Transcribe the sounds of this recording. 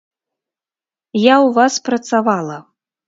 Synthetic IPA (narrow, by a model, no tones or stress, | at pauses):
jawvaspɾɐt̪savalˠɐ